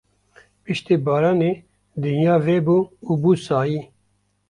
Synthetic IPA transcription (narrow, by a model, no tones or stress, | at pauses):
pɨʃt̪eːbaːɾaːneː | d̪ɨnjaːveːbuːuːbuːsaːjiː